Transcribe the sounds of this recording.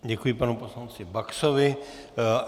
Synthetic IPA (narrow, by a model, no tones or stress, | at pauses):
ɟɛkujɪpanuposlant͡sɪbaksovɪ